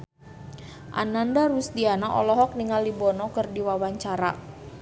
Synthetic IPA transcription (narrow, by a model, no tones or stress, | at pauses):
ʔa̰nandaɾusd̪ianaʔɔ̰lɔɦɔk̚niŋalibɔnɔkərdiwawaɲt͡ʃaɾa̰